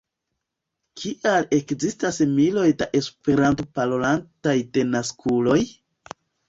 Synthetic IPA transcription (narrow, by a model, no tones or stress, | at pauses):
kʰiʔale̞kzistasmilo̞jdaʔe̞spe̞ɾantopalolantajde̞naskʰulo̞j